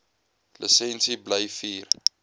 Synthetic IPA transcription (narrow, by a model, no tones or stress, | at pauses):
ləsɛnsiblajfiːr